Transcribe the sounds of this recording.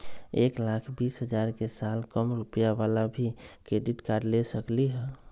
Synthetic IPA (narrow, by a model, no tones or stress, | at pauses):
eːklakʰbiːsɦəd͡ʒaːɾkesaːlkəmɾupəjaʋalabʱikɾeɖɪʈkaːɾɖlesəkliɦɛ